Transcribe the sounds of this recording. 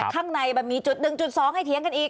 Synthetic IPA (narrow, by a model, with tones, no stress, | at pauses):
kʰaː˥˩ŋna˧jbɛː˨˩miː˧t͡ɕu˨˩t̪̚nɯ˧ŋt͡ɕu˨˩t̪̚sɔː˨˦ŋha˥˩jt̪ʰi˩˦əŋka˧nʔiː˨˩k̚